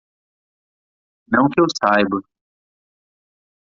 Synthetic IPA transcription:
nɐ̃w̃kɪewsajbʊ

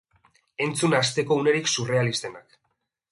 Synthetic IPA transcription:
e̞nt͡sunast̪e̞ko̞une̞ɾiksure̞alist̪e̞nak

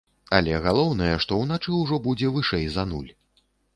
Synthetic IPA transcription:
alʲɛɣalˠɔwnɐjɛʂt̪ɔwnat͡ʂɨwʐɔbud͡zʲɛvɨʂɛjzɐnulʲ

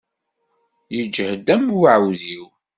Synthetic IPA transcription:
jəd͡ʒːəhəd̪æmːwʕwðiw

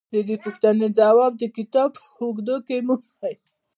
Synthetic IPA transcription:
d̪əd̪epuxt̪aned͡zawɑb̚d̪əkɪt̪ɑb | uɡd̪okemumaj

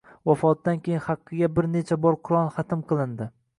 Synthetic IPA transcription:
vafɒt̪̚d̪ankʲʰejɪnχɑqːɨɡʲabɪɾne̞t͡ʃʰabɒɾqʰʊɾɒnˠχɑt̪ʰɪmqʰɨlˠɪnd̪ɪ

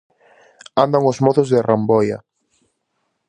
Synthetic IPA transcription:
and̪aŋosmoθʊzðɪrambɔja

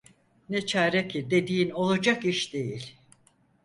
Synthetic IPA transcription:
nɛt͡ʃʰaːɾecʰid̪e̞d̪iːno̞lˠad͡ʒakiʃd̪ejilʲ

